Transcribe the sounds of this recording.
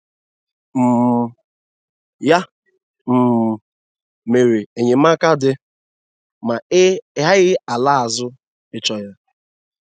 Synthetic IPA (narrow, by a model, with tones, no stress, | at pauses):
m̩˨ | ja˦ | m̩˨ | me˨ɾe˨e˨ɲe˨m̩˦a˦ka˦dɪ˦ | ma˨˦ɦa˦ɣɪ˦a˨la˦a˨zʊ˦ | ɪ˦t͡ʃɔ˦ja˦